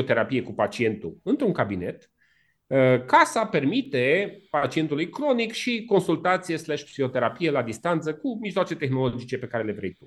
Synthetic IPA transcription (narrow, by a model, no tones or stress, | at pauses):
ot̪e̞ɾapije̞kupat͡ʃie̞nt̪ṵɨnt̪ɾuŋkabine̞t̪ | kasape̞rmit̪e̞pat͡ʃie̞nt̪ulujkɾo̞nikʃiko̞nsult̪at̪sije̞slɛʃpsio̞t̪e̞ɾapije̞lad̪ist̪ant̪səkumiʒlowat͡ʃe̞t̪e̞xno̞lod͡ʒit͡ʃe̞pe̞kaɾe̞le̞vɾḛjt̪u